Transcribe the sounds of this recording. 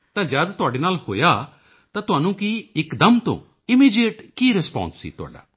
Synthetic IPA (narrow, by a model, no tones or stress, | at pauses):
t̪ãːd͡ʒəd̪t̪ʊaːɖeːnaːlho̰ːjaː | t̪ãːt̪ʊɦaːnũːkiːɪkd̪əmt̪õ̰ː | ɪmiːd͡ʒeːʈkiːɾɪspã̰ːnsːḭːt̪ʊa̰ːɖa̰ː